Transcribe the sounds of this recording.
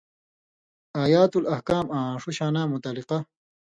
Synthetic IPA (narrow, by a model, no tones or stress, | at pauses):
aːjaːt̪ulɐhkaːmãːʂuɕaːnaːmut̪ɐliqa